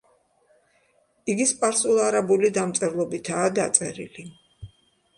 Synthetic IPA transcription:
iɡispʼaɾsulˠaɾabulid̪amt̪sʼɛvlˠɔbit̪ʰaːd̪at̪sʼɛɾḭli

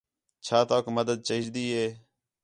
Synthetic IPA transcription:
t͡ʃʰaːt̪oːkməd̪əd̪̚t͡ʃəɪd͡ʒd̪iːɦeː

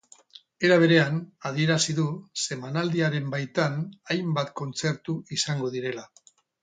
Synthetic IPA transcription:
e̞ɾaβ̞e̞ɾe̞anað̞ie̞ɾasiðuse̞manald̪iaɾe̞mbajt̪anajmbat̪ko̞nt͡se̞ɾt̪uisaŋɡo̞ð̞iɾe̞la

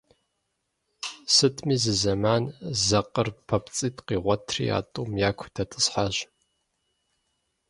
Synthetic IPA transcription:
sɨtʰmiːzɨzɐmaːnzɐqərpʰɐpt͡sʼiːtqiːʁʷɔtʰrḭa̰ːtʼumjaːkʷʰtʰɐtʼɨsħaʒ

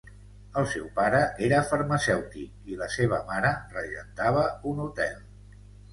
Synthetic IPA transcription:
əlˠsɛwpaɾəʔeɾəfəɾməsɛwt̪ik̚iləseβ̞əmaɾərəʒənt̪aβ̞əunut̪ɛlˠ

